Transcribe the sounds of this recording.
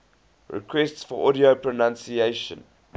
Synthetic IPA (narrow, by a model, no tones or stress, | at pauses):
ɹɛ̰kʰwɛstsfɔʔɔɾiopʰɹonãnsieʃə̰̃n